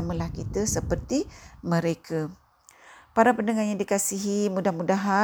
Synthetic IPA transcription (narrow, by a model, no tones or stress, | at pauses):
mə̃lahkit̪əsəpərt̪imə̃ɾekʰa | paɾapəndəŋanɲadikasiɦimudahmudaɦa